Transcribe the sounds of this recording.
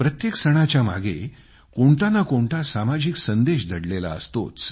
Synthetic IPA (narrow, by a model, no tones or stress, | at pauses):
pɾət̪jeksəɽ̃at͡ɕjama̰ɡḛ | koɳt̪anːakoɳʈ̪asamad͡ʑiksənd̪eɕd̪ʱəɽlela̰əst̪o̰t͡s